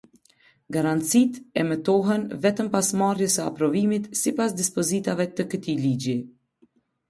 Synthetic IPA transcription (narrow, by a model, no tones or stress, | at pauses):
ɡaɾant̪t͡sit̪ɛmɛt̪ɔɦɛnvɛt̪əmpasmarjəsəa̰pɾɔvimit̪sipasd̪ispɔzit̪avɛt̪əkət̪ilid͡ʒi